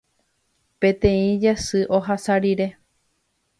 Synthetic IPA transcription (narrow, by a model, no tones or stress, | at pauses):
pẽ̞t̪ẽĩd͡ʒasɨʔo̞ɦasaɾiɾe̞